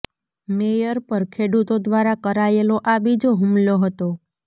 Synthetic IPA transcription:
mejəɾpəɾkʰeɽut̪od̪ʋaɾakəɾaeloʔabid͡ʒoɦumloɦət̪o

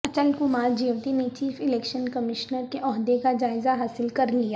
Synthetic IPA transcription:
ɐt͡ʃəlkumaːɾd͡ʒiːʋt̪inet͡ʃiːfɪlɛːkʃənkɐmɪʃnəɾkeʔɔːɦd̪ekad͡ʒaːɪzaɦaːsɪlkɐɾlijaː

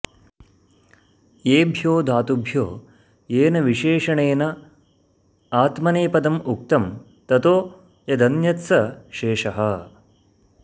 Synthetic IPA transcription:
jeːbʱjoːd̪ʱaːt̪ubʱjo̰ː | jeːnɐʋiʃeːʂɐɳeːnɐ | aːt̪mɐneːpɐd̪ɐmuk̚t̪ɐm | t̪ɐt̪oː | jɐd̪ɐnjɐt̪sɐʃeːʃɐɦɐ

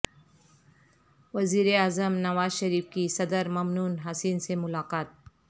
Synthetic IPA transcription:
ʋɐziːɾeaːzəmnɐʋaːzʃɐɾiːfkisɐd̪əɾmɐmnuːnɦasiːnsemʊlaːqaːt̪̚

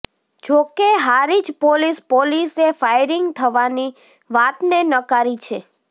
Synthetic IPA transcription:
d͡ʒokeɦaɾid͡ʒpolispolisefajɾɪŋɡt̪ʰəʋani | ʋat̪nenəkaɾit͡ʃʰe

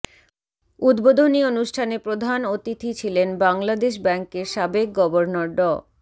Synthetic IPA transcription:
ud̪bod̪ʱonionuʃʈʰanepɾod̪ʱanot̪it̪ʰit͡ɕʰilenbaŋlad̪eʃ̬bɛŋkeɾʃabek̚ɡɔboɾnoɾɖɔ

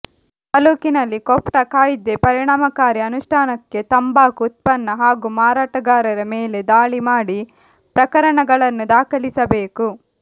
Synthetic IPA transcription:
t̪ɐluːkinɐlːikɔpʈɐkaːjid̪ːe̞pɐɾiɳaːmɐkaːɾiɐnuʂʈʰaːnɐkːe̞t̪ɐmbaːkuːt̪̚pɐnːɐɦaːɡumaːɾaːʈɐɡaːɾɐɾɐmeːle̞d̪aːɭimaːɽi | pɾɐkɐɾɐɳɐɡɐɭɐnːud̪aːkɐlisɐbeːku

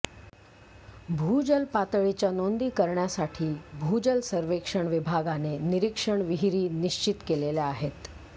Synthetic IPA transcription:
bʱuːd͡ʑəlpat̪ɭit͡ɕjanond̪iːkəɾɳjasaʈʰiːbʱuːd͡ʑəlsəɾʋekʂəɳʋibʱaɡaneniɾikʂəɳʋiɦiɾiːniɕt͡ɕit̪kelelaaɦet̪

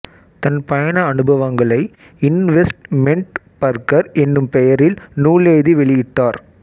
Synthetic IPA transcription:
t̪ɐnpɐjɐɳɐːnɯbʱɐʋɐŋɡɐɭɐɪ | ɪnʋɛsʈmɛɳʈpɐɾkɐɾɛnːɯmpɛjɐɾɪlnuːɭeːðiʋɛɭɪjɪʈːaːɾ

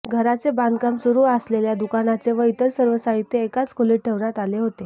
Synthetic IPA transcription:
ɡʱəɾat͡seband̪kamsuɾuːəsleljad̪ukanat͡seʋəjt̪əɾsəɾʋəsaɦit̪ːeːkat͡skʰoliʈ̚ʈʰːeʋɾat̪aleɦot̪e

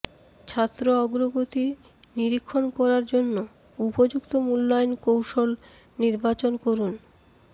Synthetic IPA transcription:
t͡ɕʰat̪ːɾoɔɡɾoɡot̪i | niɾikʰːonkɔɾaɾd͡ʑonːo | upod͡ʑukt̪omulːajnkowʃol | niɾbat͡ɕonkoɾun

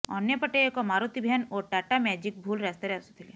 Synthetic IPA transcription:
ɔ̰njepəʈeekɔmaɾut̪ibʱɛnoʈaʈamɛd͡ʒik̚bʱulɾɛst̪eɾɛsut̪ʰile

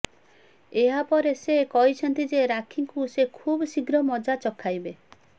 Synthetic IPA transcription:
eɦapɔɾesekɔɦit͡ʃʰɔnt̪id͡ʒeɾakʰiŋkusekʰubɔsiɡɾɔmɔd͡ʒat͡ʃɔkʰajbe

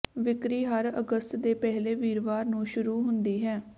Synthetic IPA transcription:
ʋɪkɾiːɦəɾə̰ɡəst̪d̪eːpɛɦleːʋiːɾʋaːɾnũːʃʊɾuːɦʊnd̪iːɦɛː

